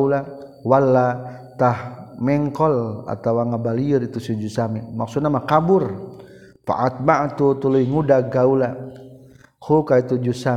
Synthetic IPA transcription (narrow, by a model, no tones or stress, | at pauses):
ula | walːa | t̪ahmɛŋkɔla̰t̪awaŋabaliərit̪usid͡ʒusamimaksut̪namakabur | pa̰ʔat̪̚maʔt̪ut̪uluiŋudaɡaula | hukait̪ud͡ʒusa